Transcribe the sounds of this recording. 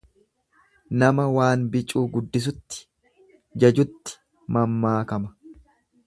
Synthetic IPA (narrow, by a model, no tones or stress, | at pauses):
nɐmɐwaːnbɪt͡ʃʼːuːɡʊd̪ːɪs̬ʊt̪ːɪ̥ | d͡ʒɐd͡ʒʊt̪ːɪ̥ | mɐmːaːkɐmɐ